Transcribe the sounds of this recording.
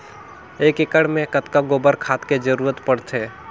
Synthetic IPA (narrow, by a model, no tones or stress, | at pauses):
eːkɪkəɽmẽkət̪kaɡoːbəɾkʰaːt̪ked͡ʒəɾuːɾət̪pəɽt̪ʰeː